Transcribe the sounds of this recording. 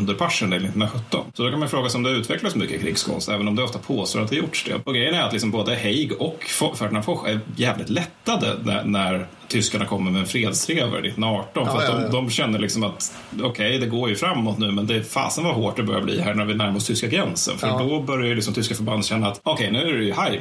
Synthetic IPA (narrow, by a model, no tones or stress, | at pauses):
ɵnd̪əɾpʰaʂənd̪ɪlnɪt̪ːnaɧɵtt̪ːɔ̰nsɔd̪ɔkanmajʏfɾoːɡasɛɔmd̪ɛʉ̟ːt̪ʰvɛklasmʏkːəkʰɾɪ̰ːɡskʰɔ̰nst̪ɛːvənɔmd̪ɛɔft̪apʰoːst̪o̰ːɾat̪d̪ɛjʊʈʂd̪ɛ̰ɔɡɾɛjːənæɾat̪lɪksɔmboːd̪əhɛjɡɔkɔfæɖɳafɔɧæɾjɛːvlɪ̰t̪lɛt̪ːad̪ə̰næ̰næɾ | t̪ʰʏskaɳakʰɔmːəɾmɛɛnfɾeːd̪st̪ʰɾeːvə̰ɾnɪ̰t̪ːnɾaɑːʈɔnfœɾat̪d̪ɔmd̪ɔmɕɛnːəɾɭɪksɔmat̪ | ɔkʰɛjd̪ɛɡoːɾjɵfɾamːɔt̪nʉ̟ːmɛnd̪ɛːfɑ̰ːsənvaɦoːʈ̚d̪ɛbœɾja̰blḭːɦæːɳæɾvɪnæɾmɔst̪ʰʏskaɡɾɛnsə̰nfœɾdɔbœɾjajʏlɪksɔmt̪ʏskafœɾband̪ɕɛnːaːt̪ɔkʰɛjnʉ̟ːæɾɛjɵhaj